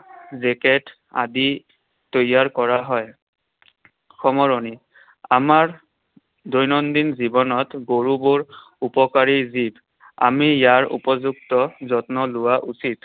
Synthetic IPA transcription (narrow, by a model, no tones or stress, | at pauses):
zɛkɛt | a̰di | tojaɹkɔɹaɦɔj | xʰɔmɔɹɔni | amaɹ | dojnɔndinzibɔnɔtɡoɹubʊɹ | upɔkaɹizib | a̰mijaɹṵpɔzuktɔzɔtnɔlʊwaʔusit